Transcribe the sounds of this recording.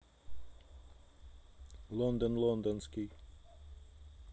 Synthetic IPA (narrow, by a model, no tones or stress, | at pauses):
lɔnd̪ɔnlˠɔnd̪ɔnski